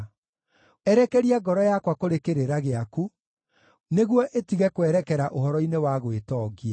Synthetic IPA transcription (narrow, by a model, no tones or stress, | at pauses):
ɛɾɛkɛɾiaɡɔɾɔjakwakoɾekeɾeɾaɣeaku | neɣwɔʔetiɣɛkwɛɾɛkɛɾaʔoɦɔɾɔinewaɣwetɔːɣia